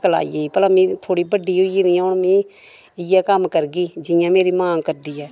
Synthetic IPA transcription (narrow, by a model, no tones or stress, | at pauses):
kəla̰ːḭːeːiːpəlãːmĩːt̪ʰoːɽiːbəɖːiːɦoiːniãʊɳmĩː | ɪjɛːkəmkəɾɡiːd͡ʒɪjãːmeːɾiːmãːkəɾd̪iːɛː